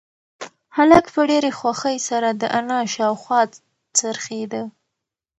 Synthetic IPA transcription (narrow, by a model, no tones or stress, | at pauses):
halakpəɖeɾexwaxəjsaɾad̪əʔanɑʃɑwxwɑ | t͡səɾxed̪ə